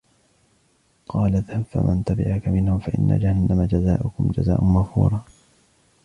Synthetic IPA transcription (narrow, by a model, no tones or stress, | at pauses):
qʰɑːlaðhafa̰mʔant̪abɪ̰ʕakamɪnhʊmfaʔɪnːʔa̰d͡ʒahanːamad͡ʒazaːʔʊkʊmd͡ʒa̰za̰ːʔʊnmaɣfṵːɾˤɑː